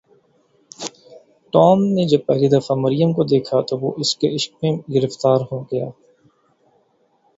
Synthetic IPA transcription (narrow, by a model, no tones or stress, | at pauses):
ʈɔːmned͡ʒɐb̚pɛːlid̪ɐfamɐɾijəmkod̪eːkʰat̪oʋoʔɪskeɪʃk̚mẽɡɪɾəft̪aːɾɦoɡɐja̰ː